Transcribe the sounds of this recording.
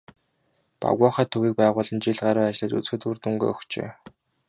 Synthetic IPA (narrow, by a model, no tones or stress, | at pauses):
pa̰ɣɔːχæːt̪ʰːɵɣiːk̚pæːʁʊːɮə̆nt͡ɕiɮɢaːɾʊːat͡ɕɪ̆ɮăːt̪ṵt͡sxɘ̆t̪urt̪uŋɡo̰ːɔxt͡ɕḛː